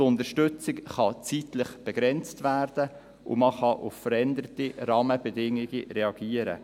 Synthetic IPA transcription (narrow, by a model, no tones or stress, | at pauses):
ʊnd̪əɾʃtʏt͡sɪkχɑt͡sitlɪχb̥ɛɡ̥ɾɛnt͡stʋæːrd̥ə | ʊ̰mɑχɑʔʊffəɾɛnd̪əɾtiɾɑːməb̥ɛdɪŋiɡiɾɛɑɡ̥iːəɾə̰